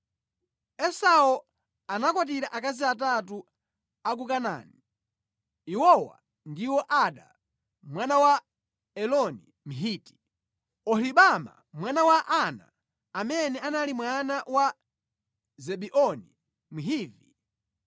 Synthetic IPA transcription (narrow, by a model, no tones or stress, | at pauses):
ɛsawɔ | anakwat̬iɾaʔakaziat̬atu | ak̬ukana̰ːni | iwɔwa̰ | ndiwɔʔaɗa̰ | mwanawa | ɛlɔni | m̩ɦiːti̥ | ɔhiɓama̰ | mwanawaʔana̰ː | mɛnɛanalimwanawa | zɛɓiʔɔni | m̩ɦiːvi